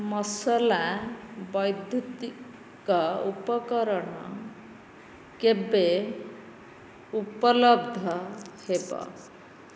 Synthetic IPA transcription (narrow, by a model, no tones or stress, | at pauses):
mɔsɔlabɔjd̪ʱjut̪i | kaupɔkɔɾɔɳɔ̰ | kebe | upɔlɔbd̪ʱɔhebɔ̰